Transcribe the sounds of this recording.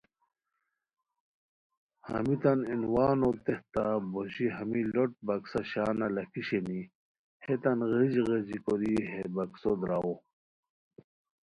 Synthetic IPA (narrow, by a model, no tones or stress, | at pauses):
hɐ̰mit̪aninwaːnot̪eht̪aboɕiɦɐmiloʈ̚bɐksaɕaːnalɐkiɕeni | het̪ɐnɣed͡ʑɣezikoɾiɦebɐksod̪ɾawo